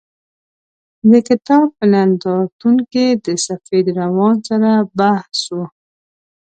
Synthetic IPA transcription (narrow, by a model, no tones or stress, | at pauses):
d̪əkɪt̪ɑb̚pənand̪ɑt̪uŋked̪əsafed̪ɾawɑnsaɾabahsu